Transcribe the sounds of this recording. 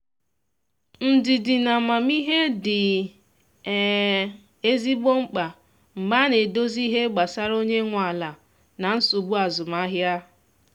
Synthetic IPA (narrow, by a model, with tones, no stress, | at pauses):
n̩˦˨dɪ˨dɪ˨na˨ma˨mi˦ɦe˦dɪ˨ | e˦zi˦ɡ͡bo˦ŋ͡m̩˦k͡pa˨ | m̩˨ɡ͡ba˦ne˨do˦zi˦ɦe˦ɡ͡ba˨sa˦ɾo˦ɲe˦ŋʷ˨a˨la˨ | na˨n̩˦su˨bu˦a˨zʊ˨m̩a˦ɦja˦